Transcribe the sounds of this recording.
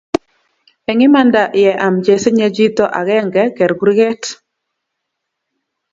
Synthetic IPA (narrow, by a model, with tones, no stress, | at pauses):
ɛ˨ŋɪ˦ma˦nda˨ʔjɛ˨ʔa˨md͡ʒe˨se˦ɲe˦d͡ʒi˦t̪ɔ˦ʔa˨ɣɛ˦ŋɡɛ˦kɛ˨ɾɡu˦ɾi˦ɡɛ˦t